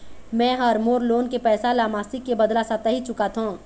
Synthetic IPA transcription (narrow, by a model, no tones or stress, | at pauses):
mɛ̃ːɦɐɾmoːɾloːnkepɛːsalaːmaːsɪkːebɐd̪lasat̪əɦit͡ʃʊkat̪ʰõː